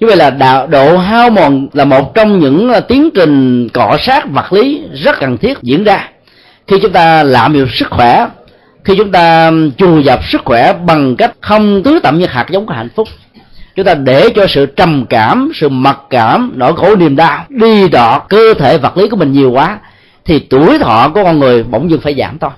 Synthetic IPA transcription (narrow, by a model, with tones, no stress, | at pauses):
ɲ˧˦və˧˨jlaː˨˩ɗa̰ː˧˨wɗo̰˧˨ɦaː˧wmɔ˨˩nlaː˨˩mo˨˩t̚t͡ɕɔ˧wŋ͡mɲɨ̰˧˥ŋt̪i˨˦əŋt͡ɕï˨˩ŋ̟kɔ̰˧˨saː˦˥t̚və˨˩t̚li˨˦zə˦˥t̚kə˨˩nt̪ʰi˦˥ət̚zḭ˧˥ənzaː˧ | xi˧t͡ɕʊ˨˦ŋ͡mt̪aː˧laː˧˨mɲḭ˨˩əsɨ˦˥k̚xwɛ˧˩ | xi˧t͡ɕʊ˨˦ŋ͡mt̪aː˧t͡ɕu˨˩zə˨˩p̚sɨ˦˥k̚xwɛ˧˩ɓa˨˩ŋka˦˥jk̟̚xə˧wŋ͡mt̪ɨ˨˦t̪ə̰˧˨mɲɨ˧˩xha̰˨˩k̚zə˨˦wŋ͡mkɔ˧˦ha̰˧˨jŋ̟fʊ˦˥k͡p̚ | t͡ɕʊ˨˦ŋ͡mt̪aː˧ɗe˧˩t͡ɕɔ˧sɨ̰˧˨t͡ɕə˨˩mkaː˧˩msɨ̰˧˨mə˨˩t̚kaː˧˩mno̰˧˩jxo˧˩˦ni˨˩əmɗaː˧ɗi˧ɗɔ̰˧˨kəː˧t̪ʰe˧˩və˨˩t̚li˨˦ku˧˩əmï̟˨˩ɲi˨˩əwkwaː˨˦ | t̪ʰi˨˩t̪u˧˩əjt̪ʰɔ̰˧˨ku˧˩ə˦kɔ˧nŋɨ˨˩əjɓo̰˧˩˨wŋ͡mɲɨ˧nfaː˧˩jza̰ː˧˩mt̪ʰo˧j